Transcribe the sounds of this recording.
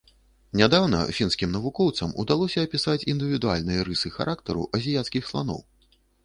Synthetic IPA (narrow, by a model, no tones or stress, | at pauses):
nʲad̪awnɐ̰fʲinskʲimnɐvukɔwt̪sɐmṵd̪alˠɔsʲɐːpʲisat͡sʲind̪ɨvʲid̪ua̰lʲnɨjɐɾɨsɨxa̰ɾʔakt̪ɐɾṵʔɐzʲijat̪skʲixslˠa̰nɔ̰w